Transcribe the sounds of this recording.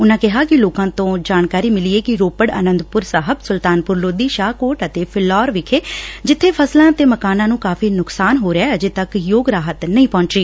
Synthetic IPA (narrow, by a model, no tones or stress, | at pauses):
ʊnãːkɪɦaːkɪloːkãːt̪õːd͡ʒaːnkaːɾiːmɪliːeːkɪɾoːpəɽə̰ːnə̃nd̪pʊɾsaɦəbsʊlt̪aːnpʊɾloːd̪iːʃaːkoːʈət̪eːpʰɪlːɔːɾʋɪkʰeːd͡ʒɪt̪ʰːeːpʰəslãːt̪eːməkaːnãːnũːkaːfʰiːnʊksaːnɦoːɾeɛːəd͡ʒeːt̪əkjoːɡɾaːɦət̪nəĩːpɔ̃ːɲt͡ʃɾiː